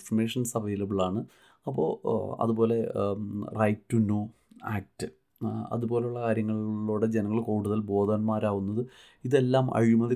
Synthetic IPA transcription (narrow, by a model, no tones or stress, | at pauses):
fɐrme̞ːʂɐnsɐrʋɐjlɐiɭaːɳɨ | ɐpːo̞̰ːɐ̰ðubo̞ːle̞ | rʔɐjtːunːoː | a̰ːk̚tːɨ | ɐ̰ðubo̞ːle̞juɭːɐkaːɾjɐŋːɐɭːoːɽe̞d͡ʑenɐŋːɐɭkoːɽuðɐlbo̞ːd̪anmaːɾaːʋunːɐðɨ | iðe̞lːaːmɐ̰ɻijumːɐði